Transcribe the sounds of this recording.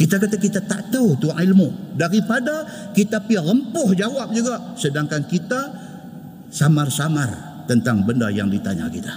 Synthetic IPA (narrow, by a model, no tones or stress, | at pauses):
kit̪akat̪akit̪at̪a̰ʔt̪aut̪uaŋilmudaɾipadakit̪apialəmpʊhd͡ʒawap̚d͡ʒuɡaʔsədaŋkankit̪a | samarsamar | t̪ənt̪aŋbəndaja̰ŋdit̪aɲa̰kit̪a